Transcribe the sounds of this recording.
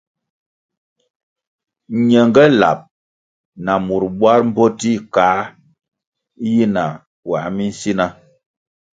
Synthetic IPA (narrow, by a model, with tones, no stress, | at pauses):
ɲɛ˨ŋɡɛ˦la̰˨p̚ | na˨mu˨ɾbwa˦ɾm̩˦bɔ˦ti˦˨ka˨˦ | ji˦na˨ | wa̰˨ʔmi˦n̩˦si˦na˦